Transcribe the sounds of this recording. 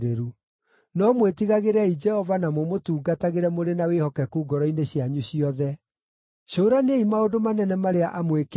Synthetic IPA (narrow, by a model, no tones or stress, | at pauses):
ɾeɾu | nɔmwetiɣaɣeɾɛid͡ʒɛhɔvanamomotuːɡataɣeɾɛmoɾenawehɔkɛkuːɡɔɾɔineɕjaɲuɕiɔðɛ | ɕoːɾaneimaodomanɛnɛmaɾeaʔamwek